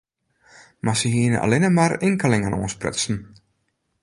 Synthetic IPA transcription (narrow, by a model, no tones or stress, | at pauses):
masəɦiənə̰ʔa̰lɪnəmarɪŋkəlɪŋanʔo̰ːnsprɪ̰tsn̩